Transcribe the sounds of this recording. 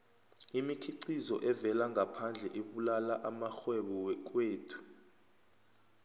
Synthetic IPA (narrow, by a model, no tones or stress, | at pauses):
imikʰiǀizɔ̰ʔɛvɛlaŋɡʱapʰand͡ɮʱɛʔeɓulalaʔamaxwɛɓɔwɛk̬weːtʰu̥